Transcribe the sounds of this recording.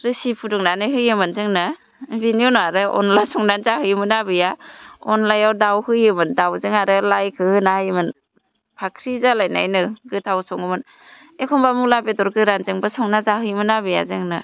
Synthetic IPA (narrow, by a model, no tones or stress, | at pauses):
ɾɯsipʰudɔŋnanɯɦɯjɯmɯnzɯŋnɯ | biniɔnɔaɾɯʔɔ̰nlasɔŋdanzahɯjmɯnabɯjaɔnlajawdawhɯjɯmɯndawzɯŋaɾɯlajkʰɯhɯnahɯjmɯn | pʰakʰɾizalajna̰jnɯɡɯtʰawsɔŋɯmɯn | ekʰɔmbamulabetɔɾɡɯɾanzɯŋbɯsɔŋnazaɦɯjmɯnabɯja̰zɯŋnɯ